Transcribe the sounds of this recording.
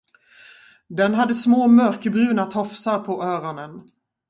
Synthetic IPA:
d̪ɛnɦad̪ːəsmoːmœɾkəbɾʉ̟ːnat̪ʰɔfsaɾpʰɔʔœːɾɔnən

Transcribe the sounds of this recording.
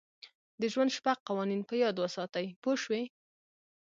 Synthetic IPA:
d̪əʒwand̪ʃpaq̚qawɑninpəjɑd̪wəsɑt̪əjpoʃwe

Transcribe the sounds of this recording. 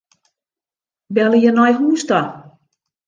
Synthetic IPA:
bɛləjənɔjɦuːsta

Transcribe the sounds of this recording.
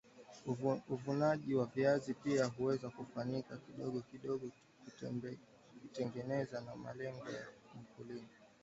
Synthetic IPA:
uvunaʄiwaviazipiaɦuwɛzakufaɲikakiɗɔɠɔkiɗɔɠɔ | ku | kutɛŋɡɛnɛzanama̰lɛŋɡɔja̰m̩kulini

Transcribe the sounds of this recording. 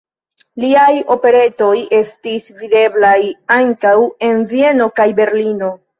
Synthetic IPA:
liajo̞pe̞ɾe̞to̞je̞stisvide̞blajaŋkawe̞nvie̞no̞kajbe̞ɾlino̞

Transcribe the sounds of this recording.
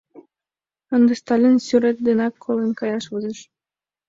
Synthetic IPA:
ə̆nd̪əst̪ɑlʲinsyɾet̪̚d̪enɑkʰːolenkɑjɑʃβozeʃ

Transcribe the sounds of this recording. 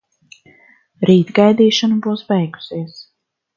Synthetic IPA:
ɾiːt̪ɡajd̪iːʃɔnubuwsbɛjɡu̥siɛs

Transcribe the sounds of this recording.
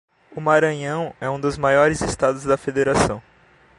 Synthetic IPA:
ʊmaɾɐ̃ɲɐ̃w̃ɛũd̪ʊzmajɔɾɪzest̪ad̪ʊzd̪ɐfed̪eɾasɐ̃w̃

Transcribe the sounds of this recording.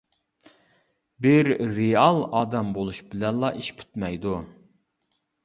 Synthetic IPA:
bɪɾːeɑlˠɑːd̪ɛmbolˠuʃbɪlɛnlˠɑʔiʃpʰy̥t̪mɛjd̪u

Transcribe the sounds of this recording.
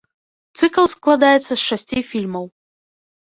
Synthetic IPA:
t̪sɨklˠsklˠad̪ajɪt̪səsʂɛsʲtʲifʲilʲməw

